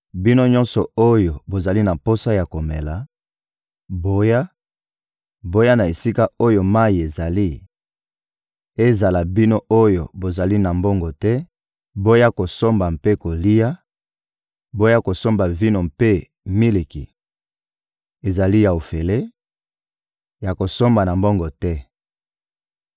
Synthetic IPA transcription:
bi˦no˦ɲɔ̃˦nsɔ˨o˦jo˨bo˨za˨li˦na˨po˦sa˦ja˨ko˨mɛ˨la˨ | bo˦ja˦ | bo˦ja˦na˨e˨si˦ka˦o˦jo˨ma˦i˨e˨za˨li˦ | e˦za˨la˨bi˦no˦o˦jo˨bo˨za˨li˦na˨mbo˦ŋɡo˨tɛ˦ | bo˦ja˦ko˨so˦mba˨mpe˦ko˨li˦ja˦ | bo˦ja˦ko˨so˦mba˨vi˦no˨mpe˦ | mi˦li˨kḭ˨ | e˨za˨li˦ja˨o˨fɛ˨le˦ | ja˨ko˨so˦mba˨na˨mbo˦ŋɡo˨tɛ˦

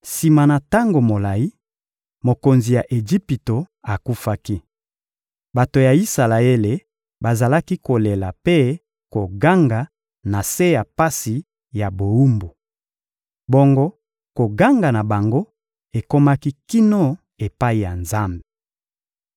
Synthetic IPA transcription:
si˨ma˨na˨ta˦ŋɡo˨mo˨la˨i˦ | mo˨ko˨nzi˨ja˨ʔe˨d͡ʒi˦pi˨to˨ | a˨ku˦fa˦ki˦ | ba˨to˨ja˨i˦sa˨la˨e˦le˨ | ba˨za˨la˦ki˦ko˨le˨la˨pe˦ | ko˨ɡa˦ŋɡa˨ | na˨se˦ja˨pa˦si˨ | ja˨bo˨u˦mbu˨ | bo˦ŋɡo˦ | ko˨ɡa˦ŋɡa˨na˨ba˨ŋɡo˦ | e˨ko˦ma˦ki˦ki˦no˦ | e˨pa˦i˨ja˨nza˦mbe˨

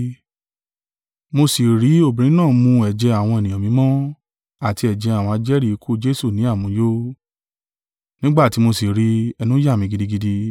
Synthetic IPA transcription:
mo˧si˨ɾi˨˦o˦˨bĩ˨ɾ̃ĩ˨˦nãː˦˨mũ˧ɛ˨d͡ʒɛ˧a˨w̃ɔ̃˧e˨nĩ˨ã˨mĩ˧˦mɔ̃˦ | a˨ti˧ɛ˨d͡ʒɛ˧a˨w̃ã˧d͡ʒɛ˦ɾi˦˧kʰu˦˨˦d͡ʒe˦su˦˨nĩ˨˦a˦˨mũ˧˦jo˦ | nĩ˦ɡ͡ba˦˨ti˧˦mo˧si˨ɾi˨˧˦ɛ˧nũ˦ja˦˨mĩ˧ɡi˧di˧ɡi˧di˧

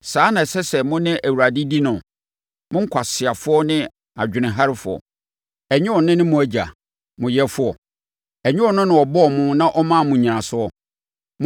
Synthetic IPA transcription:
saː˦nã˨sɛ˦sɛ˨mʊ̃˦nɪ̃˦ʔæ˨wu˨ɾa˨dɪ˦di˦nʊ̃˨ | mʊ̃˦ŋ̩˦kʰa˨sɪ˨a˨fʊ˦ɔ˦nɪ̃˦ | a˨d͡ʑᶣɪ˨nɪ̃˨ɦa˦ɾɪ˦fʊ˨ɔ̰˨ | ɛ˨ɲɪ̃˦ɔ˨nɪ̃˦nɪ̃˦mʊ̃˨æ˦d͡ʑa̰˨ | mʊ̃˨jɛ˦fʊ˦ɔ̰˨ | æ˨ɲᶣɪ̃˦ɔ˨nʊ̃˦nʊ̃˨ɔ˨bɔ˦˨mʊ̃˦nã˦ʔɔ˦mã˦˨mʊ̃˨ɲĩ˨nã˨sʊ˦ɔ˨ | m̃

